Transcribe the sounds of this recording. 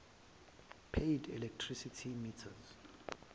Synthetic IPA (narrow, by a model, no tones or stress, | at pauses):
pʰejdɛ̰lɛk̚tʰrisitʰimitʰaz